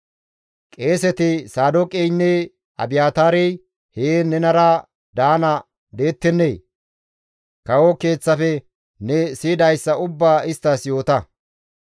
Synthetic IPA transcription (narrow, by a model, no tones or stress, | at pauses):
kʼe̞ːsɛt̪ɪsaːd̪okʼɛjnːɛ | ʔɐ̰bɪjaːt̪aːɾɛj | heːnɛnɐɾɐ | d̪aːnɐ | d̪e̞ːt̪ːɛnːeː | kɐwɔke̞ːt͡sːɐfɛ | nɛsiːd̪ɐjsːɐʊbːaːɪst̪ːɐsjo̞ːt̪ɐ